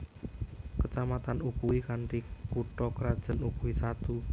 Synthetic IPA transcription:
kət͡ʃamat̪anukuwikanʈikuʈɔkəɾad̥ʒ̥ə̤nukuisat̪u

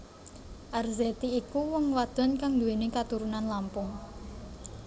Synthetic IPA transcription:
ʔarzet̪iːkuwɔŋwad̪̥ɔ̤nkaŋd̪uwenikat̪uɾunanlampʊŋ

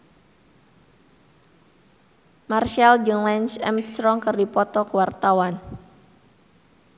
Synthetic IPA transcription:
marʃald͡ʒɨŋlɛnsɛ̰msɾɔŋkɨrdipɔt̪ɔkəwart̪awan

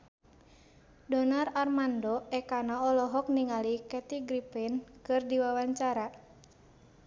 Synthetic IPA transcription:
dɔnararmandɔɛkanaɔlɔɦɔk̚niŋalikɛt̪iɡɾipinkɨrdiwawaɲt͡ʃaɾa

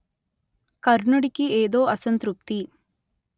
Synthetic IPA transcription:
kɐɾɳɐɽikieːd̪oːʔɐsɐnt̪ɾup̚t̪i

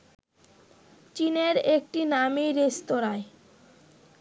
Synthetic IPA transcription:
t͡ɕineɾek̚ʈinamejɾest̪oɾae

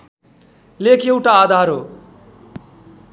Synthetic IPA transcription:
lekʰewʈaːd̪ʱaɾo

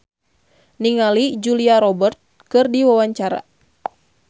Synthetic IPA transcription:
niŋalid͡ʒuliaɾɔbərt̪̚ | kɨrdiwawaɲt͡ʃaɾa̰

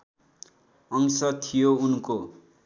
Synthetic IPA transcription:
ʌŋsʌt̪ʰijounko

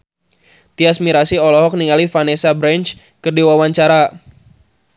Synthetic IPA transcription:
t̪iasmiɾasiɔlɔɦɔk̚niŋalifanesabɾɛnt͡ʃ | kərdiwawaɲt͡ʃaɾa

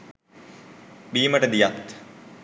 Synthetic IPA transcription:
biːmɐʈɐd̪ijat̪

